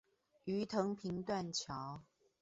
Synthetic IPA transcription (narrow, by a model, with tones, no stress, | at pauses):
y˨˦t̪ʰɤ˧˥ŋpʰi˨˦ŋt̪wa˥˨nt͡ɕʰjɑ˨˦ʊ